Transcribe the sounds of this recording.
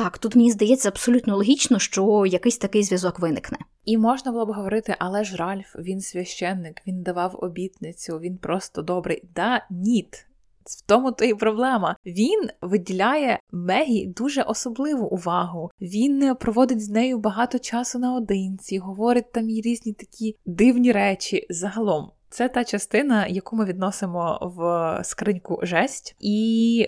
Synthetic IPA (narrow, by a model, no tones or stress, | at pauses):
t̪ɑkt̪ut̪menʲizd̪ɐjɛt͡sʲːɐɐbsɔlʲut̪nɔlˠɔɦʲit͡ʃnɔʃt͡ʃɔjɐkɪsʲt̪ɐkɪjzʲʋʲjɐzɔkʋɪnɪknɛ | imɔʒnɐbʊlˠɔbɪɦɔʋɔɾɪt̪ɪʔɐlˠɛʒɾɑlʲfʋʲinsʲʋʲɐʃt͡ʃɛnːɪkʋʲind̪ɐʋɑwɔ̰bʲit̪nɪt͡sʲʊʋʲinpɾɔst̪ɔd̪ɔbɾɪjd̪ɑnʲit̪ | w̥t̪ɔmʊt̪ɔjipɾɔblˠɛmɐʋʲinʋɪdʲilʲajɛmɛɦʲid̪uʒɛʔɔsɔblˠɪʋʊʔʊʋɑɦʊʋʲinpɾɔʋɔd̪ɪtʲznɛjʊbɐɦɑt̪ɔt͡ʃɑsʊnɐɔd̪ɪnʲt͡sʲiɦɔʋɔɾʲɪt̚ʲt̪ːɑmjiɾʲizʲnʲit̪ɐ̥kʲid̪ɪwnʲiɾɛt͡ʃʲizɐɦɐlˠɔmt̪sɛt̪ɑt͡ʃɐst̪ɪnɐjɐkumɪʋʲid̪nɔsɪmɔʋskɾɪnʲkʊ̰ʒɛsʲtʲi